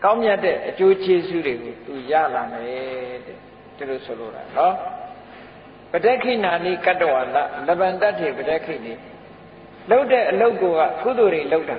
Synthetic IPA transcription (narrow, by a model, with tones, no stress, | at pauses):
kã˦ʊ̃mja˦tːɛ̰˦˨ʔət͡ɕo˦t͡ɕe˦zṵ˦˨de˨ɡo˨t̪u˨ja̰˦˨la˨mɛ˨ɾɛ̰˦˨ | d̥i˨lo˨sʰo˨lo̰˨ɾa̰˨nɔ˦ | b̥ə˨dɛ˦kʰḭ˦˨na˨nḭ˦˨ka˦˨tə˨wa˨la̰˦˨lə˨bã˨nta˦˨tːe˨bədɛ˦ʔkʰḭ˦˨ne˨ | lo˦ʊtɛ˦˨ʔəlo˦ʊko˨ɣa̰˦˨kṵ˦˨d̪o˨ɾe˨lo˦ʊta˨